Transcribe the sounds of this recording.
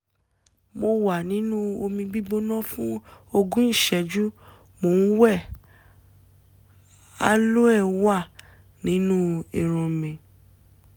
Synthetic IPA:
mo˧wa˨nĩ˨˦nũ˦o˧mĩ˧ɡ͡bi˦ɡ͡bo˦nɔ̃˦fũ˦o˧ɡũ˦n̩˦˨ʃɛ˨d͡ʒu˦ | mo˨n̩˦wɛ˦˨ | a˦lo˦ɛ˦˨wa˦˨ | nĩ˨˦nũ˦i˨ɾ̃ɔ̃˨mẽ˨

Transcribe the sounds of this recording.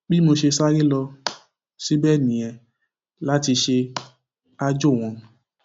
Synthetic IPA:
bi˦mo˧ʃe˧sa˦ɾi˦lɔ˧ | si˦bɛ˦˨nĩ˨ɛ̃˧ | la˦ti˧ʃe˧ | a˧d͡ʒo˦˨w̃ɔ̃˧

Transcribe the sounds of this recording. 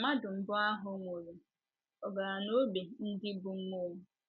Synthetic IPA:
ma˦dʊ˨m̩˦bʊ˦a˦ɦʊ˨˦ŋʷo˨ɾe˨ | ɔ˨ɡa˨ɾa˨no˦be˨n̩˦dɪ˦bʊ˨m̩˦mo˦ŋʊ˦

